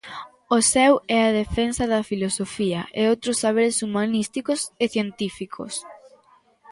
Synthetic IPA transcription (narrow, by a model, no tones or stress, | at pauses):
osɛwɛɐðefensɐðɐfilosofiɐʔḛowt̪ɾosːaβ̞eɾesumanist̪ikoseθjent̪ifikʰo̰s